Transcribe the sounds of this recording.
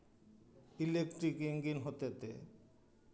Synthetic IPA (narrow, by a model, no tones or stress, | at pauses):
ilekʈɾikiŋɡinɦot̪et̪ḛ